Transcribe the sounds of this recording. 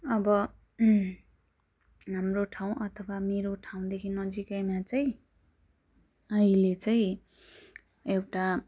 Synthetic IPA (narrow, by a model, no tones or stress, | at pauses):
ʌbʌ | ɦamroʈʰaw̃ʔʌt̪ʰʌwameɾoʈʰaw̃d̪ekʰinʌd͡zikʌjmat͡saĩ | ʌilet͡saj̃ | ewʈa